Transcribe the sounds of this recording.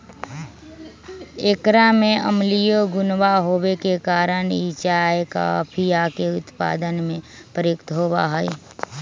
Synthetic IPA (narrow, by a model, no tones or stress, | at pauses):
ekɾamẽʔə̰mlijoɡʊnwaɦoːwekekaːɾənit͡ʃaeka̰pʰijakeʊt̪pa̰ːd̪ənmẽ | pəɾjʊkt̪ɦoːba̰ɦɛi